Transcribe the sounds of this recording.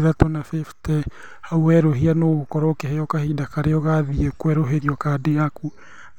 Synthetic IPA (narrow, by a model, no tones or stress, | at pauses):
ðatɔnafiftɛ | hauwɛɾoɦianoɣokɔɾɔkeheɔkahidakaɾeɔɣaðiekwɛɾoɦeɾiɔkadeaku